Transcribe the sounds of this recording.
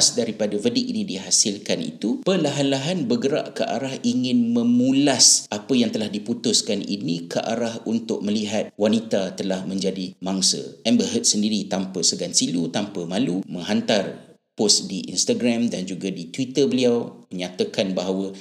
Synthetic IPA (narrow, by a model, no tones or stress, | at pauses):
sdaɾipadavədiʔinidiɦasɪlkanḭt̪upəlaɦanlaɦanbəɡəɾa̰ʔkə̰ʔa̰ɾahiŋɪ̃nmə̃mũlasʔapəjaŋt̪əlahdiput̪ʊskanḭnĩkə̰ʔa̰ɾahunt̪ʊk̚məliɦat̪̚wanit̪at̪əlahmə̃ɲd͡ʒadimaŋsə̰ɛmbəɦət̪̚səndiɾit̪ampəsəɡansilut̪ampəmalumə̃ŋɦant̪ar | pʊsdiʔḭnst̪aɡɾamdand͡ʒuɡadit̪wit̪ərbəliawməɲat̪akanbaɦawə